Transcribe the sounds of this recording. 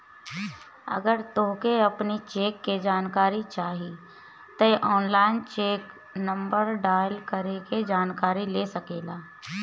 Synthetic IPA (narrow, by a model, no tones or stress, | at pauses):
ɐ̰ɡəɾt̪oɦkeɐpnit͡ʃeːkːed͡ʒaːnkaːɾit͡ʃaːɦi | t̪ɐʔɔːnlaːɪnt͡ʃeːk | nɐ̃mbəɾɖaːɪlkəɾeked͡ʒaːnkaːɾileːsɐkeːlaː